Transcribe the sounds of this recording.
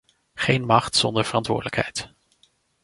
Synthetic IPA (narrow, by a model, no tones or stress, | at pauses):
χejnmɑχtsɔndəɹv̥ərɑntʋʊ̰ːɹdələkɦɛ̰jt